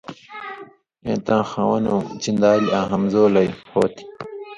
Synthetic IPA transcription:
ḛ̃ːt̪ãːxãːwɐnõːt͡ɕind̪aːliãːɦɐmzoːlɐjho̰ːt̪ʰi̥

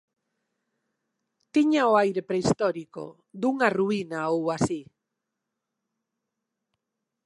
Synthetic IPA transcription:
t̪iɲaoajɾepɾeist̪ɔɾiko̰ | d̪uŋaruinaowasi

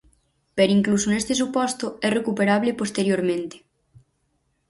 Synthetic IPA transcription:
peɾiŋklusonest̪esupɔst̪oɛrekupeɾaβ̞lepost̪eɾjoɾmẽnt̪e̥

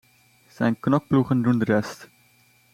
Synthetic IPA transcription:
sɛjnknɔk̚pluχəndundərɛst

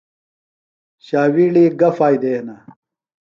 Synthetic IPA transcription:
ɕaːwiːɽiɡɐfaːjd̪eːhnɐ

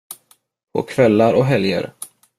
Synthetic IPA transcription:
pʰɔ̰kʰvɛlːaɾɔɦɛljə̰ɾ

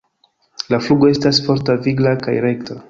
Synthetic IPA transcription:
lafluɡoe̞stasfo̞ɾtaviɡlaka̰jɾe̞kta

